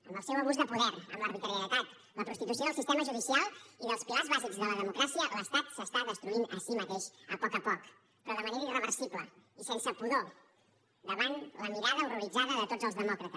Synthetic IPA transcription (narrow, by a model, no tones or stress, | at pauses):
əmbəlˠsewəβuzðəpuðɛɾə̰mləɾβit̪ɾijələt̪at̪ | ləpɾust̪it̪usioðəlˠsist̪eməʒuðisialˠiðəlˠspilazβazikzðələðəmukɾasiələst̪at̪səst̪aðəst̪ɾuinəsimət̪eʃəpɔkəpɔk | pɾɔðəməneɾəirəβəɾsipləisensəpuðo | d̪əβanləmiɾaðəuruɾid͡zaðəðət̪ozəlˠzðəmɔkɾət̪əs